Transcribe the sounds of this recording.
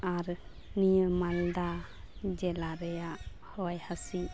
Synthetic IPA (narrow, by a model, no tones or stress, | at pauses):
aɾ | nijəmald̪a | d͡ʒɛlaɾɛjaʔ | hɔwajhasi